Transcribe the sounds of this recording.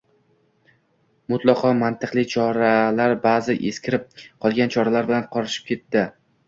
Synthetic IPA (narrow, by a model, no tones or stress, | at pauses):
mʊt̪lˠɑqʰɒmant̪ʰɨqlˠɪt͡ʃʰɒɾalaɾbaːzɪʔe̞skʲʰɪɾɪp̚qʰɒlˠɡʲant͡ʃʰɒɾalaɾbɪlanqʰɒɾɪʃɪ̥p̚kʲʰe̞t̪ːɪ